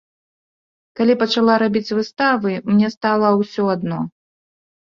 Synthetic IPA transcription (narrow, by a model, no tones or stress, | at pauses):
kalʲipɐt͡ʂalˠaɾabʲit͡sʲvɨst̪avɨmnʲɛst̪alˠɐwsʲɔad̪nɔ